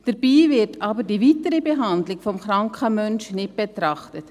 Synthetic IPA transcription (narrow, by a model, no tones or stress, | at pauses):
d̥əɾb̥iːvɪɾtʰɑːbədiviːtəɾəbeɦɑndlɪɡfɔmχɾɑŋkχəmœnʃnɪt̚b̥ɛt̪ɾɑχtət